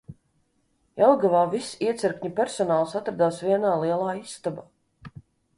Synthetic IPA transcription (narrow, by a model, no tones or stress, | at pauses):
ɛlˠɡavaːvisiɛt̪sɛɾkʲɲipʲɛɾsɔnaːlˠsat̪ɾad̪aːsviɛnaːliɛlˠaːisːt̪aba